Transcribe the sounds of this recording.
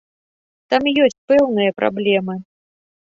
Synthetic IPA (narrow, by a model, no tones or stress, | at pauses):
t̪amjɔsʲt͡sʲpɛwnɨjɐpɾʔa̰blʲɛmɨ